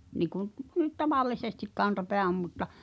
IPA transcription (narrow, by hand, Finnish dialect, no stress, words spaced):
niːku nyt tɑʋɑlːisestik kɑntɑpeæ om mutːɑ